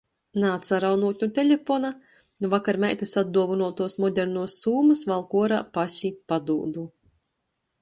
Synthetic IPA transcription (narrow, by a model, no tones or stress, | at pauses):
naːt̪saɾawnuːt̪ʲɲut̪ʲelʲefɔna | nuvakaɾmʲɛjt̪esad̪̚d̪uɔvunuɔt̪uɔsmɔd̪ʲɛɾnuɔsːuːmusvalˠkuɔɾaːpasʲipad̪uːd̪u